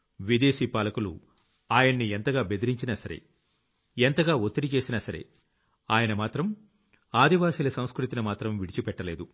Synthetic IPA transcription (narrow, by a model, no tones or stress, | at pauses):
ʋid̪e̞ːsiːpaːlɐkulṵ | aːjɐɳːient̪ɐɡaːbe̞d̪iɾiɲt͡ʃinɐsɐɾe̞̰ | ent̪ɐɡaːot̪ːiɾit͡ʃe̞ːsinɐsɐɾe̞̰ | aːjɐnɐmaːt̪ɾɐm | aːd̪iʋaːsiːlɐsɐw̃skɾut̪inɐmaːt̪ɾɐmʋiɽit͡ʃipɛʈːɐle̞ːd̪u